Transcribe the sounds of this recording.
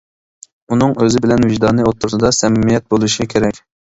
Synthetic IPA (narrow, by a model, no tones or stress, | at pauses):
unɨŋøzɪbɪlɛnvɪʒd̪ɑnɨot̪ʰːuɾsɨd̪ɑsɛmɪmijɛt̪̚bolˠuʃikʲʰeɾɛkʲ